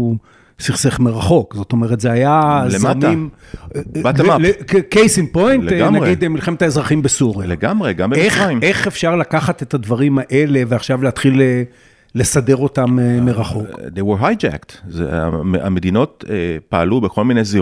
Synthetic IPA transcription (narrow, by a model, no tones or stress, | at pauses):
siχseχmeʁaχo̞kzo̞to̞meʁet̪zeajazeamim | batmlekejsinpojnnaɡid̪emilχemet̪haezʁaχimbesuʁjleɡamʁeɡambeeχaime̞χefʃaʁlakaχate̞tadvaʁimaʔe̞le̞veaχʃavleat̪χile | le̞sade̞ʁo̞tammeʁaχo̞kkd̪ejwɛɦajd͡ʒæ̰ktzḛa̰a̰med̪ino̞tepaalubeko̞lminejzi